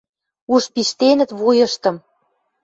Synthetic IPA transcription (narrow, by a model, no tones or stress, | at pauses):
uʃpiʃt̪enə̆t̪βujɤ̆ʃt̪ə̆m